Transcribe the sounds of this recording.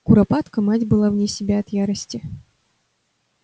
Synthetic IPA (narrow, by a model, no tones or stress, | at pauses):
kʊɾɐpat̪kəmatʲbɨlˠavnʲesʲɪbʲaɐt̪jaɾəsʲtʲɪ